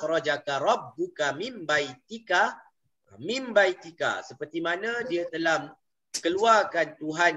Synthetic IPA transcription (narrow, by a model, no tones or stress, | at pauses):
ɾɔd͡ʒakaɾɔb̚dukamĩmbajt̪ika | mĩmbajt̪ika̰səpərt̪imanãdiat̪əlam | kəluarkant̪uɦan